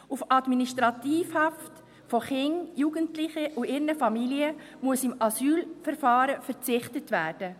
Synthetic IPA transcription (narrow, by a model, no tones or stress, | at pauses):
ufɑdminiʃtɾɑtiːfhɑft | fɔχɪnjuɡəntlɪχəʔuɪɾnəfɑmiliə | muəsɪmɑsyːlfɛɾfɑːɾəfɛɾt͡sɪχtətʋæːrd̥ə